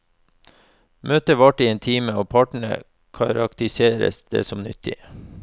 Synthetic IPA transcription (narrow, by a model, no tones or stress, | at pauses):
møːt̪əʋɑʈiːɛːnt̪ʰiːməoːpʰɑːʈɳ̩ə̰ | kʰɑɾɑkt̪ɪseːɾə̰sd̪̥ḛːsɔmnʏt̪ʰːɪ